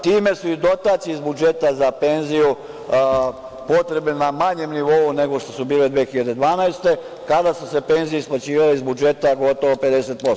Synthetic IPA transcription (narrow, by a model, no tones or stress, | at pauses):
t̪iːme̞suid̪o̞t̪at̪siizbud͡ʒet̪azape̞nziju | po̞t̪ɾe̞bninamaɲe̞mniʋo̞une̞ɡo̞ʃt̪o̞subiːled̪ʋeːxiʎad̪e̞d̪ʋaːnajst̪e̞ | kad̪asuse̞pe̞nzijeisplˠat͡ɕiːʋaleizbud͡ʒe̞t̪aɡo̞t̪oʋope̞d̪e̞set̪̚po̞so